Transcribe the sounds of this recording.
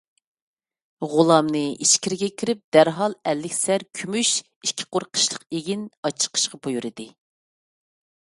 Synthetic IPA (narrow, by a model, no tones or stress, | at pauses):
ʁʊlˠɑmnɨiʃkʲiɾɪɡʲɛkʲʰiɾɪp̚d̪æɾɦɑlˠɛlːɪkʲsæɾkʲʰymyʃ | ikʲʰːi̥qoɾqʰə̥ʃlˠəqeɡʲinɑt͡ʃʰə̥qʰə̥ʃqɑbojuɾɨd̪ɨ